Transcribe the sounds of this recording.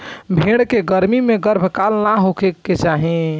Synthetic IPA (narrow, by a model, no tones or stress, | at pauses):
bʱeɽkeɡəɾmimeɡəɾbʱkalnaɦokʰekːet͡ʃaɦẽ